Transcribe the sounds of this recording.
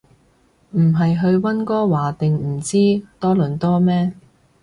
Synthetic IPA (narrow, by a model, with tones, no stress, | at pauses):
m̩˨˩ɦɐ˨jɦɵ˧ɥwɐ˥nkɔː˥waː˨˩t̪ɪ˨ŋm̩˨˩t͡siː˥t̪ɔː˥lɵ˨˩nt̪ɔː˥mɛː˥